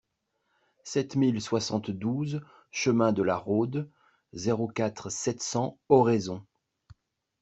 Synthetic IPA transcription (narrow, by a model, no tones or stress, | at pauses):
sɛt̪milswasɑ̃t̪d̪uz | ʃəmɛ̃d̪əlaʁod̪ | zeʁokat̪χsɛt̪sɑ̃ɔʁezɔ̃